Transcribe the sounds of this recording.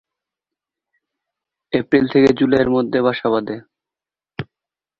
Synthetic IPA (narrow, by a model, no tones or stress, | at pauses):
epɾilt̪ʰeked͡ʑulaeɾmod̪ʱːebʱaʃaβad̪e